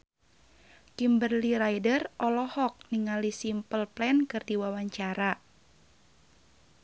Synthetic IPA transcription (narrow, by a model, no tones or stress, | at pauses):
kimbərliɾajdərʔɔlɔhɔk̚niŋalisimpəlplɛnkɨrdiwawaɲt͡ʃaɾa